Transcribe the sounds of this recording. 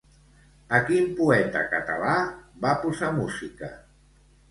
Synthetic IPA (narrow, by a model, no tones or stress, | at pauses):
əkimpuɛt̪ə̰kət̪a̰labapuzamuzikə̰